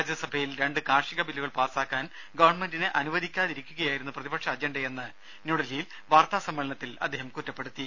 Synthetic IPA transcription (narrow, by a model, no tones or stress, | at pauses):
aːd͡ʑjɐsɐbʱɐjilɾe̞ɳɖɨkaːʂiɣɐbilːuɣɐɭpaːsaːkːaːn | ɡɐʋɐrɳme̞ndineʔɐnuʋɐd̪ʱikʲːaːðiɾikʲːuɣɐjaːjiɾunːuprɐðibɐkʂɐːd͡ʑeɳɖɐenːɨ | nuɽɐlijil | ʋaːrt̪aːsɐmːɐɭɐɳɐt̪ːilɐd̪ʱːeːhɐmkutːɐpːeɽut̪ːi